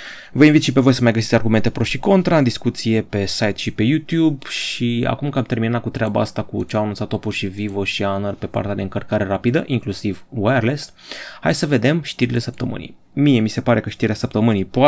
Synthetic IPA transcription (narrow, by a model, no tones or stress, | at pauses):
vəinvit̪ʃipe̞vo̞jsəmajɡəsit̪sʲarɡume̞nt̪e̞pɾo̞ʃiko̞nt̪ɾaɨnd̪iskut̪sije̞pe̞sajt̪ʃipe̞jut̪jubʃia̰kumkamt̪e̞rminat̪̚kut̪ɾeaba̰ast̪akut͡ʃeaanunt̪sat̪opurʃivivoʃianərpe̞pa̰rt̪ʲad̪e̞ɨŋkərkaɾe̞ɾapid̪əʔiŋklusivwerlest̪ha̰jsəve̞d̪e̞mʃt̪iɾile̞səp̚t̪əmɨ̰nḭj | mije̞mise̞paɾe̞kəʃt̪iɾeasəp̚t̪əmɨnijpoa